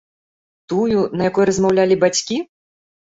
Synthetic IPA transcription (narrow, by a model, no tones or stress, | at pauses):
t̪ujunɐjakɔjɾɐzmawlʲalʲibat͡sʲkʲi